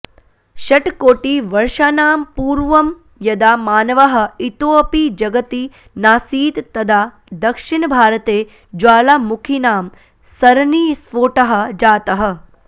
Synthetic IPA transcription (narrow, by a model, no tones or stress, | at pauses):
ʃɐʈkoːʈiʋɐɾʃaːnaːmpuːɾʋɐm | jɐd̪aːmaːnɐʋɐɦɐ̆it̪oːpid͡ʒɐɡɐt̪i | naːsiːt̪ːɐd̪ʱaː | d̪ɐkʂiɳbʱaːɾɐt̪eː | d͡ʒaːlamukʰinaːm | sɐɾniːsʋoːʈɐɦɐ̆d͡ʒaːt̪ɐɦɐ̆